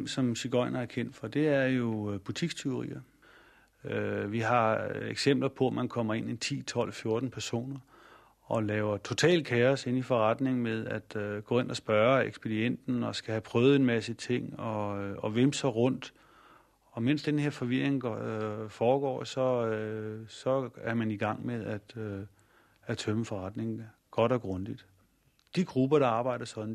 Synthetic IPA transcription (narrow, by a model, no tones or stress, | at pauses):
msɒ̽mɕiɡ̥ɒ̽ɪ̰nɐæɐkʰen̰d̥fɒ̽d̥e̝æɐjo̝b̥ut͡sʰiɡ̥t͡sʰe̝ʊ̝ʁḭːɐ | øʋiɦɑ̈eɡ̥sem̰b̥lɐpʰɒ̽mænkʰɒ̽m̰ɐe̝nit͡sʰḭːt͡sʰɒ̽l̰fjo̝ɐd̥n̩pʰæɐso̝̰ːnɐ | ɒ̽lɛːʊɐt͡sʰo̝t͡sʰɛ̰ːlkʰeɐse̝nifɒʁɑd̥ne̝ŋmeð̞ˠæd̥ɡ̥ɔ̰ːe̝nɒsb̥ɶːɐeɡ̥sb̥edien̰d̥n̩ɒ̽sɡ̥æhæpʰʁœːð̞̩ˠenmæsit͡sʰe̝ŋ̰ɒ̽ɒ̽ʋemsɒ̽ʁɔ̽n̰d̥ | ɒ̽men̰sd̥enhe̝ɐ̰fɒ̽ʋiɐ̰eŋ | fɒːɡ̥ɒ̰ːsɒ̽øsɒ̽æɐmæniɡ̥ɑ̈ŋ̰meðˠæd̥ | æt͡sʰøməfɒ̽ʁɑ̈d̥ne̝ŋ | ɡ̥ɒ̽ɾ̥ɒ̽ɡ̥ʁɔnd̥id̥ | d̥iɡ̥ʁub̥ɐɾ̥ɑ̈ɑ̈ːb̥ɑ̈ɪ̰d̥ɐsɒ̽d̥n̩